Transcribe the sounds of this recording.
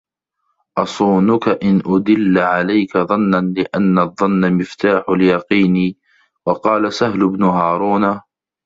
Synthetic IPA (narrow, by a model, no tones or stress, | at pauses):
ʔɑsˤuːnʊkaʔɪnʔʊd̪ɪlːʕalajkaðˤɑnːanlɪʔanːaðˤːɑnːamɪft̪aːħʊljɑqiːniː | wɑqɑːlasaɦlʊbnʊɦɑːɾˤuːna